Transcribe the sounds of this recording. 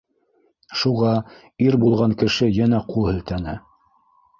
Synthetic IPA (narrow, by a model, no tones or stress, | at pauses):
ʃuʁɑ | iɾbulˠʁɑŋkɘ̆ʃɘjænæqʰuhɘ̆lt̪ænɘ